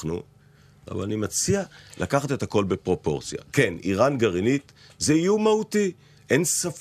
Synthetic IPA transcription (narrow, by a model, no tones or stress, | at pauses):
nṵ | a̰va̰lanimat͡sialʔakaχat̪et̪hako̞lbe̞pʁo̞po̞̰ʁt͡sja̰kenḭʁanɡaʁinit̪ | zeijumauti | ʔensaf